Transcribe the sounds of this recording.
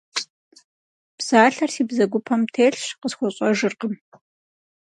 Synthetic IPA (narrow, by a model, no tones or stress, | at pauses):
b̥z̥aːɬɐrsiːbzɐɡʷʊpʰɐmtʰeːɬʂqəsxʷɔɕʼɔʒɨrqəm